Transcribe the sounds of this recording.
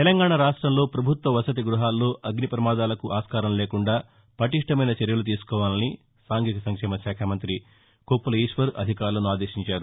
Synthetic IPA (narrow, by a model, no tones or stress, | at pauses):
t̪elɐŋɡaːɳaɾaːʂʈɾɐmlo̞ːpɾɐbʱut̪ʋɐʋɐsɐt̪iɡɾuɦaːlːo̞ːʔɐɡnipɾɐmaːd̪aːlɐkuʔaːskaːɾɐmleːkuɳɖaː | pɐʈiʂʈɐmɐjnɐt͡ʃeɾjɐlut̪̬iːsu̥kɔːʋaːlɐni | saːŋɡiːt̪ɐsɐŋkʂɛːmɐʃjaːkʰaːmɐnt̪ɾi | koːpːulɐiːʃʋɐɾɐ̰d̪ʱikaːɾulɐnuaːd̪e̞ːʃiɲt͡ʃaːɾu